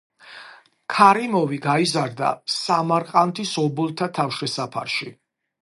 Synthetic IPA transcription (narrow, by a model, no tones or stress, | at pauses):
kʰaɾimɔviɡaizaɾd̪a̰samaɾqʼant̪ʰisɔbulˠt̪ʰat̪ʰafʃɛsapʰa̰ɾʃi